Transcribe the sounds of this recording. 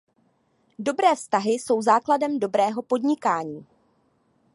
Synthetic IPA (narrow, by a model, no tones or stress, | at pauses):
do̞bɾɛːfst̪aɦɪso̞wzaːkladɛmdo̞bɾɛːɦo̞po̞dɲɪkaːɲiː